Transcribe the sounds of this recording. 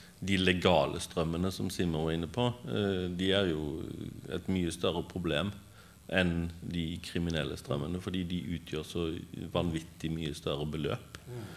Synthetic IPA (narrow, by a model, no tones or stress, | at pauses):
d̪ɪlɛɡɑːlʔəst̪ɾœmːənəsɔmsɪməɪnːəpʰɔd̪ɪæʁjʊ | ɛ̰ɪt̪myːəst̪œɾəpʰʁʊbleːm | ʔɛnd̪ɪkʰɾɪmɪnɛlːə̰st̪ʁœ̰mːənəfɔd̪iːd̪ɪʔʉːt̪ʰjøːʁsɔʋɑnʋɪt̪ːɪmyːəst̪œɾəbəlø̰ːp